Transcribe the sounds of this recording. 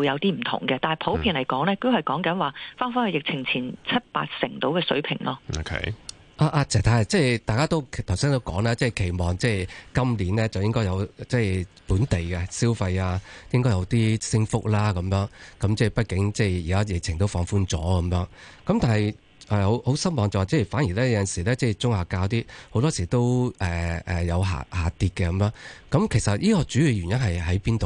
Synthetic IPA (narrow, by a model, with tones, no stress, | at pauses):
wjɐ˨˧wt̪iː˥m̩˨˩t̪ʰʊ̰˨˩ŋkɛ˧t̪aː˨nɐ˨˩pʰo˨˥wʰiː˧nle˨˩jkɔː˨˥ŋlɛː˥ko˥hɐ˨jkɔː˨˥ŋkɐ˨˥nwaː˨faː˥nfaː˥nhɵ˧jɪ˨k̚t͡sʰɪ˨˩ŋt͡sʰiː˨˩nt͡sʰɐ˥t̚pa̰ː˧t̚sɪ˨˩ŋt̪o˨˥wkɛː˧sɵ˨˥ɥpʰɪ˨˩ŋlɔː˧˥o˨kʰ | ʔaː˧ʔaː˧t͡sʰɛː˨˩t̪ʰaː˧˩˨t͡sɛː˥˩t̪aː˨jkaː˥t̪o˥wʰt̪ʰwsiː˥ŋt̪o˥wkɔː˨˥ŋlaː˥t͡sɛː˥˩kʰe˨˩jmɔː˨ŋt͡sɛː˥˧˩kɐ˥mliː˨˥nlɛː˥t͡sɐ˨wjɪ˥ŋkɔː˥jɐ˨˧wt͡sɛː˥˧puː˨˥nt̪e˨jkɛ˧siː˥wfa˧jaː˧jɪ˥ŋkɔː˥jɐ˨˧wt̪iː˥sɪ˥ŋfʊ˥k̚laː˥kɐ˨˧˦mjœː˨˧˥ŋkɐ˨˦mt͡sɛː˥˩pɐ˥t̚kɪ˨˥ŋt͡sɛː˥˧jiː˨kaː˥jɪ˨k̚t͡sʰɪ˨˩ŋt̪o˥wfɔː˧ŋfuː˥nt͡sɔː˨˥kɐ˨˧˦mjœː˨˧˥ŋkɐ˨˦mt̪aː˨˩nhɐ˨j | ʔɛː˨ho˨˥who˨˥wsɐ˥nmɔː˨˧ŋt͡sɔː˨t͡sɛː˥˩jfaː˨˥nji˨˩lɛː˥jɐ˧˥jɐ˨nsiː˨˩lɛː˥t͡sɛː˥˩t͡sʊ˥ŋhaː˨˩kaː˧wt̪̬iː˥ho˨˧˥wt̪ɔː˥siː˨˩t̪o˥wʔɛ˨ʔɛː˨˩jɐ˨˧wɦa̰ː˨haː˨t̪iː˧t̚kɛː˧kɐ˨˧˥mjœː˨˥ŋkɐ˨˦˥mkʰe˨˩jsɐ˨t̚jiː˥kɔː˧t͡ʃyː˨˥ɥyː˨ɥy˨˩njɐ˥nɦɐ˨jɦɐ˨˥jpiː˥nt̪o˨w